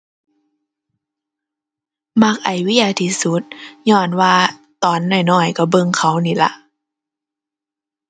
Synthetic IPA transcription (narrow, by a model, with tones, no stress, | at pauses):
ma˧˩k̚ʔa˨˩jwi˦˥jaː˧˩t̪ʰiː˧˥su˧˦t̪̚ɲɔː˧˩nwaː˧ | t̪ɔː˨˦nːɔː˧˩jnɔː˧˩jkɔ˧˩bɤ˧ŋkʰa˧˦˩wniː˧˩la̰˧˦ʔ